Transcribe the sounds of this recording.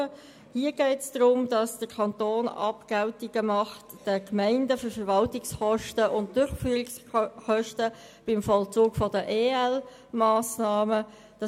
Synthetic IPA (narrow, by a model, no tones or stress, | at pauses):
ə | hiəɡ̥ɛɪtsd̥ʁʊmdɑsd̥əkʰɑntoːnɑ̰pɡ̥altɪɡ̥əmɑχtd̥əkmɛɪndəfʏfəɾvɑltɪksχɔʃtəʔʊnt̚d̥ʊɾχfyːʁɪksχœʃtə | b̥ɪmfɔlt͡suːɡ̥fɔdəʔeːɛl | maːsnaːmə | d̥ɑ